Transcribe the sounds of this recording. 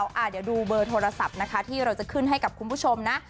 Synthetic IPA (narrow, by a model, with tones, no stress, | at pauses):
wʔaː˨˩t̪̚ja˨˧˩duː˧bɤː˧t̪ʰoː˧ɾa˧sa˨˩p̚na˦˥kʰa˦˥t̪ʰiː˥˩ɾa˧wt͡ɕa˨˩kʰɯ˥˩nɦa˥˩jka˨˩kʰu˧npʰuː˥˩t͡ɕʰo˧mna˦˥ʔ